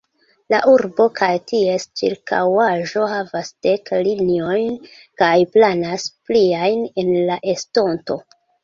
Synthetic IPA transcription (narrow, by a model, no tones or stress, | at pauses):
laʔuɾbo̞kʰajtie̞st͡ʃḭɾkʰa̰waʒo̞havasd̥e̞klinio̞jn | kajplanaspliajne̞nlaʔesto̞nto̞